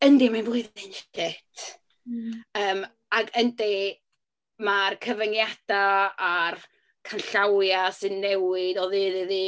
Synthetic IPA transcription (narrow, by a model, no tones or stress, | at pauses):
əndiminvʊɨðɪntʰɛtʰ | əːm | aɡəndi | markʰəvəŋjad̥aːr | kʰanɬawjasɨnːɛwɪdɔðɨðɪðiː